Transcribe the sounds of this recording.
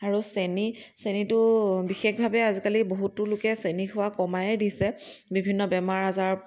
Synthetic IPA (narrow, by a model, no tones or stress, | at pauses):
aɹusenisenitʊbixexbʱabɛazikaliboɦutːʊlʊkɛsenixʰʊwakɔmajɛdisɛbibʱinːɔbɛmaɹazaɹ